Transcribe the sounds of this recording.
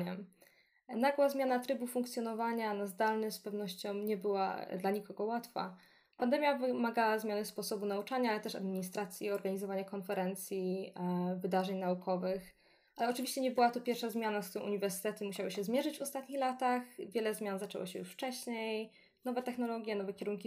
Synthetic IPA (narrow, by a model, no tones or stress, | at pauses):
ɛ | naɡwazmʲjanat̪ɾɘbufuŋkt̪sʲjɔnɔvaɲanazd̪alnɘxspɛvn̪ɔɕt͡ɕɔ̃w̃ɲɛbɘwa̰d̪laɲikɔɡɔwat̪fa̰ | pand̪ɛmʲjavɘmaɡawazmʲjanɘspɔsɔbunaut͡ʂaɲaalɛt̪ɛʂa̰d̪mʲiɲist̪ɾat̪sʲjiɔɾɡaɲizɔvaɲakɔnfɛɾɛnt̪sʲji | vɘd̪aʐɛɲnaukʰɔvɘx | ʔalɛɔt͡ʂɨvʲiɕt͡ɕɛɲɛbɘwat̪ɔpʲjɛɾfʂazmʲjanaskt̪uɾɔ̃w̃ʔṵɲivɛɾsɘ̥t̪ɛt̪ɘmuɕawɘɕɛzmʲjɛʐɘd͡ʑvɔst̪at̪ɲixlat̪axvʲjɛlɛzmʲjanzat͡ʂɛ̰wɔ̰ɕɛ̰jṵʂft͡ʂɛɕɲej | nɔvɛt̪ɛxnɔlɔɡʲjɛnɔvɛkʲɛɾuŋkʲi